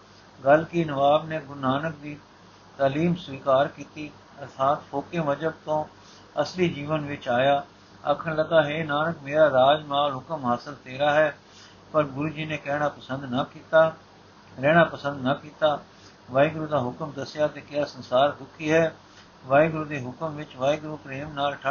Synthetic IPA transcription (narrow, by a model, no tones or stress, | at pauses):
ɡəlkinəʋaːbneːɡʊnaːnək̚d̪iː | t̪aːliːmsʋiːkaːɾkiːt̪i | ɐɾt̪ʰaːt̪fʰoːkeməd͡ʒəb̚t̪õː | ɐslid͡ʒiːʋənʋɪt͡ʃaːjaː | ɐ̰kʰənləɡ̪aːɦeːnaːnəkmeːɾaːɾaːd͡ʒmaːlɦʊkəmɦaːsəlt̪eːɾaːɦɛː | pəɾɡʊɾuːd͡ʒiːneːkɛːɽ̃aːpəsə̃nd̪naːkiːt̪aː | ɾɛːɽ̃aːpəsə̃nd̪naːkiːt̪aː | ʋaːɪɡɾuːd̪aːɦʊkəmd̪əsɪjaːt̪eːkɪjaːsənsaːɾd̪ʊkʰːiːɦɛː | ʋaːɪɡɾuːd̪eːɦʊkəmʋɪt͡ʃʋaːɪɡɾuːpɾeːmnaːlʈʰ